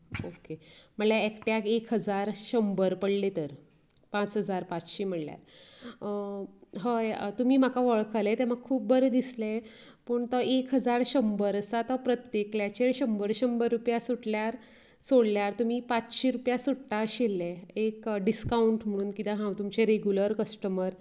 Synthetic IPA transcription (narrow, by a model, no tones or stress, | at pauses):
okem̤əɳljaekʈjakekʰɦəd͡zaɾɕəmbəɾpəɽlet̪əɾ | pãt͡sɦəd͡zaɾpat͡sɕiːm̤əɽlja̰ɾ | ɦəjt̪um̤iːm̤akaʋəɭkʰalet̪em̤aɡkʰːuːp̚bəɾd̪isle | pəɳt̪ɔekʰɦəd͡zaɾɕəmbəɾəsat̪ɔpɾət̪jekljat͡ɕeɭɕəmbəɾɕəmbəɾːupjasuʈljaɾ | soɽljaɾt̪um̤iːpat͡sɕiɾupjasuʈʈaɕelːeekɖiskauɳʈm̤əɽ̃uːnkit̪aɦãwt̪umt͡ɕeɾeɡjuləɾkəsʈəməɾ